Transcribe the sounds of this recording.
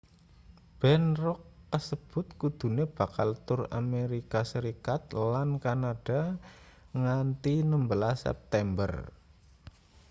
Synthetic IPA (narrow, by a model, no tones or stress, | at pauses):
b̥ɛnrɔkːəsəb̥ʊ̤t̪̚kud̪̥ṳneb̥a̤kalt̪ʊra̰meɾikasəɾikat̪̚lankanad̥a̤ | ŋant̪inəmbəlasɛ̰p̚t̪ɛmbə̰r